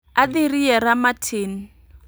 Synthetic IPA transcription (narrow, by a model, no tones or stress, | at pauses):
adiriɛɾamatʰeːni